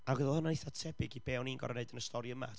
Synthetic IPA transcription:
aɡəðəlˠhɔnanjθatʰɛbɪɡib̥ɛːwniːnɡɔ̰ɾneɨdənəstʰɔɾiəma̰

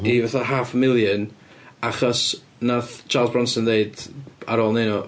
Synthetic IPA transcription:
ivɛθaɦaːfmɪlˠjən | aχɔs | naθt͡ʃʰaːlˠzbɹɔnsəndeɨdaɾoːlˠnenɔ

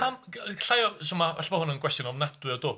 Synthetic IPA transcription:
amɬajɔsumavaɬbɔhʊnənkʰwɛstjɔnɔmnadwɪɔduː

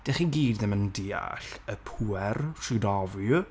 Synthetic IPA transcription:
d̥eχiɡiːdðɪməndia̰ɬəpʰuːɛrʃɨdɔvj

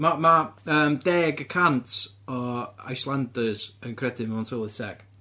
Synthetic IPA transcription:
mamaəːmd̥ɛːɡəkʰantʰ | ɔa̰jslˠandəz̥ənkʰrɛdɪmntʰolˠɪsɛ̰ɡ̥

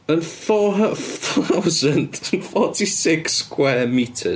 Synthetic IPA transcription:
ənθɔθaawzəndənfɔtʰisɪkskʰwɛːmitʰə̰

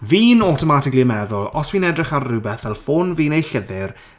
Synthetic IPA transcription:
viːnɔtʰɔmatɪkliəmɛðʊlˠɔsviːnɛdrɪχarrubɛθvɛlˠfoːnviːnejɬɪðɪr

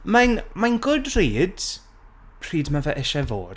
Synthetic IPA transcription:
manmanɡʊdriːd̥ | pʰr̥iːdmavɛʔɪʃɛvo̰ːd̥

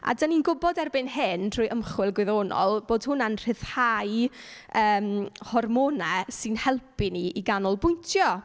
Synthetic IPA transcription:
a̰dəninɡʊbɔdɛrbɨnɦɪntʰrʊːjʔəmχwɪlˠɡwɪðoːnɔ̰lˠb̥oːd̥hʊnanr̥ɪθhajəːmhɔrmonɛsɨnhɛlˠpʰiniiɡanɔlˠbʊjntʰjɔ

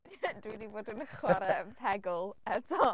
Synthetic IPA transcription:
dwidivoːdənəχwaɾəpʰɛɡʊlˠətʰɔ

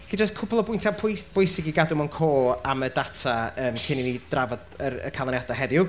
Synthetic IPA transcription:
ɬid͡ʒəskʰʊpʰɔlˠɔbʊjntʰapʰʊb̥ʊjsɪɡiɡadʊmɔnkʰoːamədatʰaəːmkʰɪninid̥ravɔdərə̰kʰalˠɔnjadaɦɛðɪʊ

